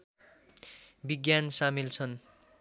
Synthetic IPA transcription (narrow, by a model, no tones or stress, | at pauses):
biɡjansamilt͡sʰʌn